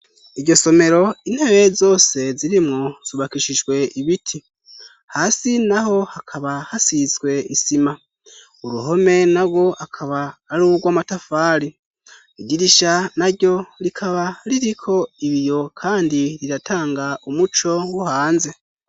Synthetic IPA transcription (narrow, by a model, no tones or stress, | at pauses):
iɾɟo̞so̞me̞ɾo̞inheβe̞zo̞ːse̞ziɾimŋoz̥uβakiʃid͡ʒɡwe̞ʔiβitʰi | haːsinaho̞hakʰaβahasizɡwe̞isima | uɾuɦo̞me̞nabɡwo̞ʔakʰaβaːɾuɡwaːmatafaːɾi | ididiʃanaɾɟo̞ɾikʰaβaɾiɾikʰo̞iβijo̞kʰaːndiɾiɾatʰaːŋɡaʔumut͡ʃo̞wuhaːnze̞